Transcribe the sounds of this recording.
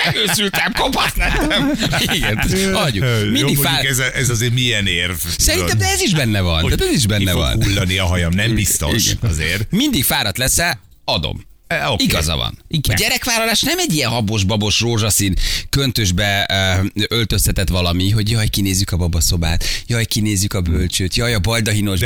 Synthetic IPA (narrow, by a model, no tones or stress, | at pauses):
ɛløːsylt̪ɛbkopɒt̪lɛt̪ɛmiɡɛnt̪hɒɟuminikofaukɛzɛʔɛzɒzeːmiɛneːrvsɛɾint̪ɛmd̪ɛɛziʒbɛnːɛvɒ̰naːt̪ɛziʒbɛnːɛvɒ̰nulːɒniɒɦɒjɒmnɛmbist̪o̰iɡʃɛ̰ɒ̰zḛːɾmind̪ikfaːɾɒt̪lɛsɛ | ɒd̪o̰m | oiɡɒzɒ̰vɒ̰niɡɟɛɾɛkʋaːlɒlaːʃnɛmɛɟːijɛnɦɒbo̞ʒbɒbo̞ʃroːʒɒsinkønt̪øʒbɛ | ølt̪ø̞st̪ɛt̪ɛt̪ʋɒlɒmiɦo̞ɟjɒjkineːzjykɒbɒbɒso̞ba̰ːt̪jɒjkineːzjykɒbølt͡ʃøːt̪jɒjɒbɒld̪ɒɦino̞ʃ